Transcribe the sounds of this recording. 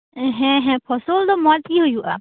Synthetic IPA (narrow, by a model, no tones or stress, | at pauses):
ɦɛ̃ɦɛ̃pʰɔsɔld̪ɔmɔt̪iɦujuʔa̰